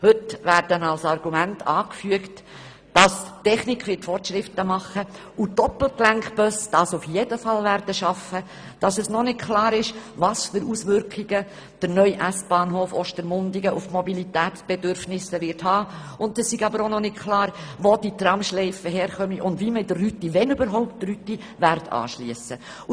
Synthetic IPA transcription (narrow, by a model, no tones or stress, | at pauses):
hɵtʋæːɾdənɑlsɑɾɡ̥umæntʰɑːkfyəkt | d̥ɑstɛχnɪkʰːʋɪtfɔrtʃɾɪftəmɑχə | udɔpl̩klæŋkb̥œsd̥ɑsufjedəfɑlvæːɾd̥əʃɑfə | d̥ɑsəsnɔnɪtkʰlɑːɾɪʃvɑːsfʏɾuːsʋʏɾkχiɡə | d̥əɾnœʏʔæsb̥ɑːnɦoːfɔʃtəɾmʊndiɡəʔufmɔbilit̪æːtb̥ɛdʏɾfnɪsəʋɪɾthɑː | ʊndɛssiɡɑbəɾonɔnɪtkʰlɑːɾvod̥it̪rɑmʃlɛɪfəɦɛːɾχœmiʔʊndviːməɪdərːytːiʋɛnybəɾɦɔʊp̚ttryt̪ːi | ʋæɾtʰɑ̰ːʃliəsə | u